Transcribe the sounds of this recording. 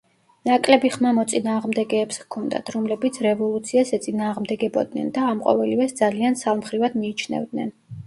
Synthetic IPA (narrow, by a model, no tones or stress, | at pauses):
nakʼlɛbiχmamɔt̪sʼinaːʁmd̪ɛɡɛːpskʰɔnd̪a̰t̪ʰɾɔmlɛbit̪sʰɾɛvɔlˠut̪sʰiasɛt̪sʼinaːʁmd̪ɛɡɛbɔ̰d̪nɛ̰nd̪aːmqʼɔ̰vɛlivɛsd̪zaliansalˠmχɾivad̪miːt͡ʃʰnɛ̰vd̪nɛ̰n